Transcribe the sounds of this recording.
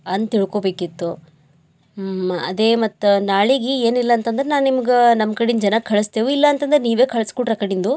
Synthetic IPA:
ɐnd̪t̪iɭko̞ːbeːkit̪ːu | ɐ̰d̪eːmɐt̪ːunaːɭiɡieːnilːɐːnt̪ɐnd̪ɐɾenaːnnimɐɡenɐmkɐɽind͡ʒɐnɐkʰɐɭɐst̪eːʋuilːɐɐnt̪ɐnd̪ɐɾeniːʋe̞ːkʰɐɭɐskuʈɾɐkɐɽind̪u

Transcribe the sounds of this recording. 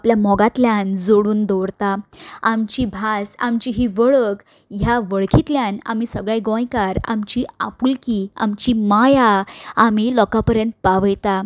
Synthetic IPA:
apljamɔɡat̪ljand͡zoɽuːnd̪ɔʋɾt̪aamt͡ɕibʱasa̰mt͡ɕiɦiʋəɭək | jaʋəɭkʰit̪ljana̰misəɡɭajɡɔ̃jkaɾa̰mt͡ɕia̰pulkia̰mt͡ɕimajaam̤ilɔkapəɾjə̃nt̪̚paʋəjt̪a

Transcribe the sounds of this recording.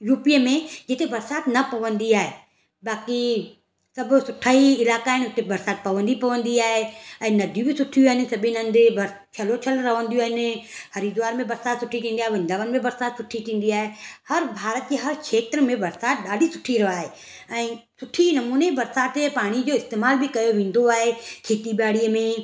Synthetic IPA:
juːpijmẽd͡ʒɪt̪ebɐɾsaːt̪nɐpɐʋə̃nd̪iaːɦeː | baːki | sɐbsʊʈʰaːiɪlaːkaːɦenʊt̪ebɐɾsaːt̪̚pɐʋə̃nd̪ipɐʋə̃nd̪iaːɦeɛ̃ːnɐd̪ʱjũbʱisʊʈʰːijuaɦnɪsɐbʱinɐ̃nd̪ebɐɾ | t͡ʃʰɐlot͡ʃʰəlɾɐɦə̃nd̪ijoaːɦnehɐɾid̪ʊʋaːɾmẽbɐɾsaːt̪sʊʈʰiʈʰĩnd̪iaɦeɪʋɐ̃nd̪aʋənɪmẽbɐɾsaːt̪sʊʈʰiʈʰĩːn̆d̪iaːɦehɐɾbʱaːɾət̪̚d͡ʑeɦɐɾkʰeːt̪ɾəmẽbɐɾsaːt̪̚ɗaːɖʱisʊ̥ʈʰiɾɐʋaːɦeː | ɛ̃ːsʊʈʰinɐmuːnebɐɾsaːt̪paːɽ̃id͡ʑoːɪst̪eːmaːlbʱɪkɐjoʋẽːn̆d̪oaːɦekʰeːt̪iɓaːɽiəmẽ

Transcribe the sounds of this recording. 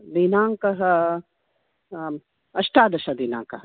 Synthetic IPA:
d̪iːnaːŋkɐɦɐ | ɐʃʈaːd̪ɐʃad̪iːna̰ːŋkɐɦɐ

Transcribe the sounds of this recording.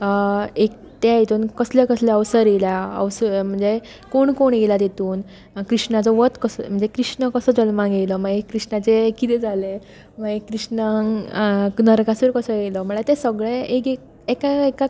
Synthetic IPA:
ek | t̪jajet̪uːnkəsljekəsleəʋsəɾeljaə̰ʋsəm̤əɳd͡ze | koɳkoɳjelad̪et̪uːn | kɾiʂnat͡sɔʋət̪kəsm̤əɳd͡zekɾiʂnəkəsəːd͡zəlmãɡejlɔm̤aɡekɾiʂnat͡sekit̪ɛd͡zʱale | m̤aɡekɾiʂnəŋ | nəɾkasuɾkəsəjelɔm̤əɭat̪esəɡɭeeke | ekaeka

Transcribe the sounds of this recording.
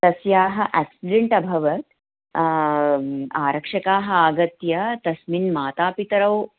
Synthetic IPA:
t̪ɐsjaːɦɐʔæksiɖeɳʈɐbʱɐʋɐt̪ | aːɾɐkʂɐkaːɦɐaɡɐt̪jɐt̪ɐsminmaːt̪aːpit̪ɾɐw

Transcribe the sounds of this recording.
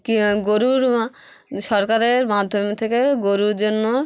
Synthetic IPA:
kɡoɾuɾ | ʃɔɾkaɾeɾmad̪ʱːomet̪ʰekeɡoɾuɾd͡ʑonːo

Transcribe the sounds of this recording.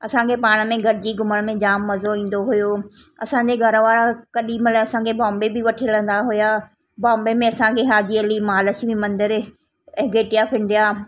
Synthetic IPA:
ɐsãkʰepaːɽ̃əmẽɡʱɐɾɪd͡ʑiːɡʱʊməɽ̃mẽd͡ʑaːmːɐzoĩːn̆d̪oɦʊjoː | ɐ̰sãɲd͡ʑeɡʱɐɾʋaːɾakɐɗiːməlaɐsãkʰebãːmbebɪʋɐʈʰilə̃nd̪aɦʊja | bãːmbemẽɐsãkʰeɦaːd͡ʑiɐlimaːləʃbĩmɐ̃nd̪əɾ | ɛ̃ɡeːʈijapʰɪ̃nd̪ijaː

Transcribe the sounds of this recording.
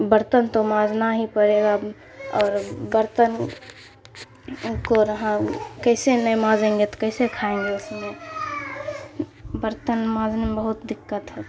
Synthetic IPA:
bəɾt̪ənt̪omãːd͡ʒnaɦipəɾeːɡa | ɔːɾbəɾt̪ən | koɾəɦãkəɪsenəjmãːd͡ʒẽːŋɡet̪o̥kəɪsekʰaẽŋɡeʊsme | bəɾt̪ənmãːd͡ʒnemebəɦʊt̪d̪ɪkːət̪ɦɛ

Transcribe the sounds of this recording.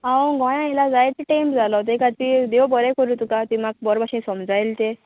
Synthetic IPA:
awə̃ɡɔ̃jãelad͡zajt̪iʈejmpd͡zʱalɔt̪ekat̪id̪ewbəɾɛkəɾut̪ukat̪imak̚bɔɾbʱaɕĩsəmd͡zajlt̪e

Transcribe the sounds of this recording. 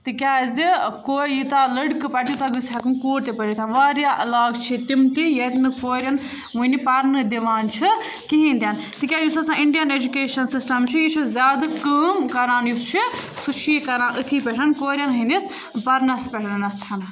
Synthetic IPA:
t̪ɨkʲaːzikoːjit̪aːlɐɽkɨpɐʈjut̪aɡɨsʲɐkɨnkoːɾt̪epəɾit̪ʰaʋaːɾjaːʔɐlaːɡt͡ʃʰit̪imt̪ijɐt̪nɨkoːɾʲjɐn | ʋuinipɐɾnɨd̪iʋaːnt͡ʃʰi | kiɦĩnd̪ʲjaːn | t̪ɨkʲjaːjusɐsãːiɳɖijɐned͡ʒukeːʃɐnsisʈɐmt͡ʃʰijit͡ʃʰizʲaːd̪ɨkəːmkɐɾaːnjust͡ʃʰisut͡ʃʰiːkɐɾãːʔɨt̪ʰiːpʲeʈʰɐnkoːɾʲjɐnɦĩːnd̪is | pɐɾnɐspʲeʈʰɐnnɐt̪ʰɐn

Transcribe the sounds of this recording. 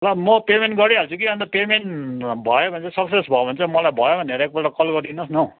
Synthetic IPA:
lʌmʌpemeɳʈɡʌɾiɦalt͡sʰuk̬iɦʌnt̪ʌpemenʈbʱʌjobʱʌnt͡sʰʌsʌksesbʱʌbʱʌnt͡sʰʌmʌlajbʱʌjobʱʌneɾek̚bʌʈʌkʌlɡʌɾd̪inʌsnʌ

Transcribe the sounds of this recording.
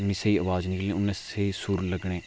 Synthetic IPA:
ʊnːiːseiːəʋaːznɪklẽːʊnːẽːseiːsʊɾləɡɳ̃eː

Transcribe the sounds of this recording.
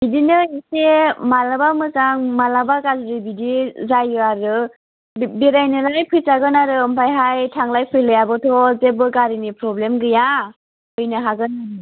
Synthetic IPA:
bidinɯisemalabamɯzaŋmalabaɡazɾibidizajɯaɾɯ | biɾajnɯlajpʰɯjsaɡɯnaɾɯːmpʰajɦajtʰaŋlajpʰɯjlɯjabɔtʰɔzebɯɡaɾinipɾɔblemɡɯja | ɯjnɯɦaɡɯnaɯ

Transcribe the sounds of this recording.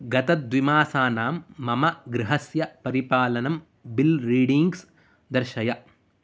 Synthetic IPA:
ɡɐt̪ɐd̪ʋimaːsaːnaːmːɐmɐɡɾɪɦɐsjɐpɐɾipaːlɐnɐm | bilɾiːɽiŋɡs | d̪ɐɾʃɐjɐ

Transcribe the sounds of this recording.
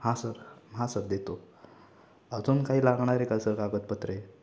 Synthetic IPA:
hãsəɾɦãsəɾd̪et̪o | əd͡zuːnkaɦiːlaɡɳaɾekasəɾkaɡət̪̚pət̪ɾəe

